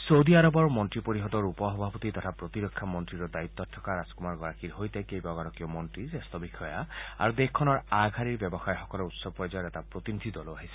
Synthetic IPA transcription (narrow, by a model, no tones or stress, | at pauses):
sowdiaɹɔbɔɹmɔntɹipoɹiɦɔd̪ɔɹupɔɦɔbʱapɔt̪it̪ɔtʰapɹot̪iɹɔkʰːamɔntɹiɹɔdajit̪ːɔtʰːɔ̥kaɹaskumaɹɡɔɹakiɹɦojtɛkejbaɡɔɾɔkiɔmɔntɹizɛst̪ɔbikʰɔjaa̰ɹud̪exkʰːɔnɔɹaɡʱaɹiɹbjɛbɔxajxɔkɔlɛut̪sɔb̚pːɔjzɔjɔɾɛtapɹot̪inid̪ʱid̪ɔloaɦisɛ̥